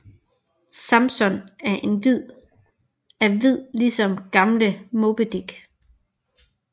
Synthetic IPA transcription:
sɑ̈msɔ̽næɐʔe̝nʋið̰ˠ | æʋið̰ˠlisɒ̽mɡ̥ɑ̈mləmo̝b̥əd̥iɡ̥

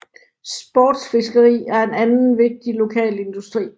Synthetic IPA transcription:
sb̥ɒ̰ːd̥sfe̝sɡ̥əʁḭːæɐe̝nænn̩ʋe̝ɡ̥̚d̥ilo̝kʰɛ̰ːle̝nd̥usd̥ʁḭː

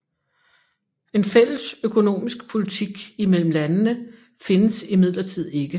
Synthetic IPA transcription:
e̝nfel̰əsøkʰo̝no̝̰ːmisɡ̥pʰo̝lit͡sʰiɡ̥imel̰m̩lænnə | fe̝nəsimið̞̰ˠlɐt͡sʰið̞̰ˠe̝ɡ̥ə

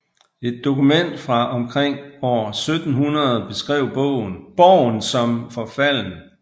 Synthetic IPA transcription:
e̝d̥̚ːo̝kumen̰d̥fʁɑ̈ʔɒ̽mkʰʁeŋ̰ɒʊɐsød̥n̩ɦunɐð̩ˠb̥e̝sɡ̥ʁɛʊ̰b̥ɔ̰̽ʊ̰n̩b̥ɒʊ̰nsɒ̽mfɒ̽fæl̰n

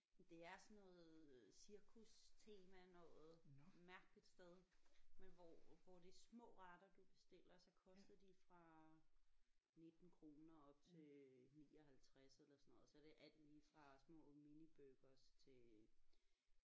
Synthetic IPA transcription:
d̥e̝æɐsɒnɔ̽ːð̩ˠsiɐkʰust͡sʰe̝ːmænɔ̰̽ð̩ˠmæɐɡ̥lid̥sd̥eð̞ˠmenʋɒʋɒd̥esmɔ̰̽ːʁɑd̥ɐd̥ub̥e̝sd̥e̝l̰ɐsɒ̽kʰɒ̽sd̥ð̩ˠd̥ifʁɑ̈ | ne̝d̥n̩kʰʁo̝ːnɐɒ̽b̥̚t͡sʰe̝niːɒ̽hælt͡sʰʁaselɐsɒnɔ̽ːð̩ˠsɒ̽d̥e̝ʔæl̰d̥liːfʁɑ̈smɔ̰̽ːminib̥øɡ̥ɐst͡sʰe̝

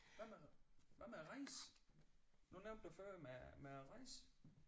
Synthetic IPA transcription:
ʋæmæʋæmæʁɑɪs | nuneʊnd̥duføɐmemeʁɑɪs

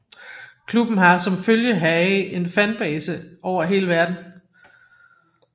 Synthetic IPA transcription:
kʰlub̥n̩ɦɑ̈sɒ̽mføljəɦæɪe̝nfænb̥ɛːsəʔɒʊ̰ɐɦe̝̰ːləʋæɐd̥n̩

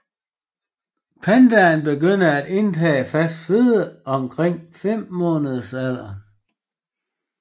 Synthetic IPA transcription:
pʰænd̥ænb̥e̝ɡøn̰ɐæd̥e̝nt͡sʰɛ̰ːfæsd̥fe̝ðˠəɒ̽mkʰʁeŋ̰fem̰mɔ̽ːnəðˠəsæð̰ˠɐ

